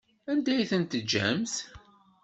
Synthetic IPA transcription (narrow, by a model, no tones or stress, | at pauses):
ænd̪æjθənt̪əd͡ʒːæ̰mθ